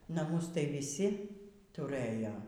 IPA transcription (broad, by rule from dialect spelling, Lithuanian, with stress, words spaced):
nɐˈmʊs tɐɪ ʋʲɪˈsʲɪ tʊˈrɘjoː